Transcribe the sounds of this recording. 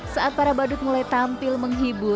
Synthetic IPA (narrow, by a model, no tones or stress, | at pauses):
saʔat̪̚paɾabadʊt̪̚mulajt̪ampɪlməŋɦibu